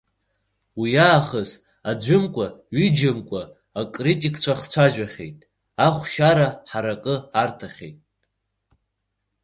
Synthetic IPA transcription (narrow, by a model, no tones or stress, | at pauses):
wijaːχəz | ad͡zʷʏmkʷʼaɥid͡ʒɪmkʷʼaː | kʼritʼikʰʼt͡ɕʷʰaχt͡sʷʰaʒᶣaχʲḛjtʼ | aχʷʃaɾaħaɾakʼɨartʰaχʲḛjtʼ